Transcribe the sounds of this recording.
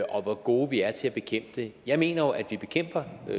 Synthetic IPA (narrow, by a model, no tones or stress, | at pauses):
ʔɒ̽ʋɒɡ̥o̝ːʋiæɐt͡sʰe̝æb̥e̝kʰem̰b̥əd̥e̝jɑ̈ɪme̝̰ːnɐjo̝ʔæd̥ʋib̥e̝kʰem̰b̥ɐ